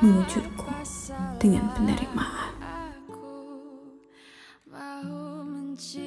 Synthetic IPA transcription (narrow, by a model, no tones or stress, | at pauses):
məŋud͡ʒʊrkʰu̥d̥əŋa̰npənda̰ɾḭk̚maʔa